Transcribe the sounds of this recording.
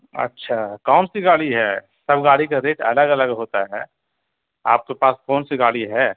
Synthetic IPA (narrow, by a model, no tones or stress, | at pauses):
ɐ̰tːʃʰakaːnsiɡaːɽiɦɛː | sɐbʱɡaːɽikaɾeːʈɐ̰ləɡɐləɡɦoːt̪aɦɛ̰ː | a̰ːp̚kepaːskoːnsiɡaːɽiɦɛː